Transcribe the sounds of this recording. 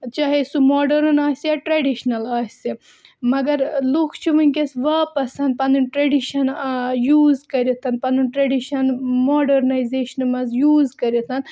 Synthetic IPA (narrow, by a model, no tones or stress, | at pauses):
t͡ʃaːɦesumoːɖɐɾnaːsijaʈɾeɖiʃnɐlaːsi | mɐɡɐɾlukʰt͡ʃʰiʋɨnʲkesʋɐːpɐsɐnd̪̚pɐnd̪unʈɾeɖiʃɐnjuːzkɐɾit̪ʰɐnpɐnd̪unʈɾeɖiʃɐnmoːɖɐɾnɐjzeːʃɐnmɐzjuːzkɐɾit̪ʰɐn